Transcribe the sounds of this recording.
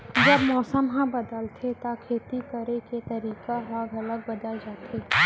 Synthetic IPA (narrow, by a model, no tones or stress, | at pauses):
d͡ʒɐbmɔːsəmɦãbɐd̪əlt̪ʰet̪akʰeːt̪ikɐɾeket̪ɐɾiːkaɦaːɡɐləɡ̚bɐd̪ad͡ʒaːt̪ʰeː